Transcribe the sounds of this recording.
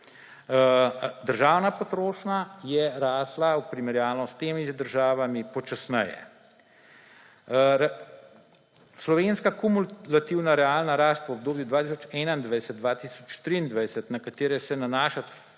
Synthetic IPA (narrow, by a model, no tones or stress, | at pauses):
d̪əɾʒaːwnapot̪ɾoːʃnajɛɾaːslaupɾimɛɾjaːlnɔst̪eːmid̪əɾʒaːʋamipɔt͡ʃasnɛjɛ̰ | ɾ | slɔʋeːnskakumulat̪iwnaɾɛaːlnaɾaːst̪ʋɔb̚d̪oːbjud̪ʋat̪isɔt͡ʃɛːnaind̪ʋɛjsɛt̪̚d̪ʋat̪isɔt͡ʃt̪ɾiːnd̪ʋɛjsət̪nakat̪eːɾɛsɛnanaːʃat̪